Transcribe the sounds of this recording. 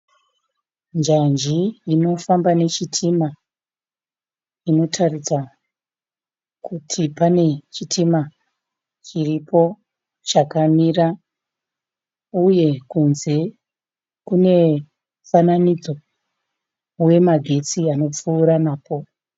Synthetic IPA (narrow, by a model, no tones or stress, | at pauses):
nd͡ʒand͡ʒiino̞fambane̞t͡ʃitʰima | ino̞tʰarit͡sa | kutʰipane̞t͡ʃitʰima | t͡ʃiripʰo̞ | t͡ʃakamira | uje̞kunze̞ | kune̞ | fananid͡zo̞ | we̞maɡʱe̞t͡siano̞p͡fuːɾanaːpo̞